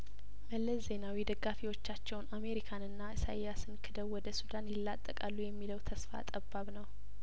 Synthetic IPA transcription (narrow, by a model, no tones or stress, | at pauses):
məlːəsze̞nawid̪əɡːafiwot͡ʃːat͡ʃːɛwname̞ɾikʰanɨnːaɨsa̰jasɨnkʰɨd̪əwwɔd̪əsud̪anjɪlːat̪ʼːəkʼalːujɛmːiləwt̪ʰəsfa̰t̪ʼəbːaβnəw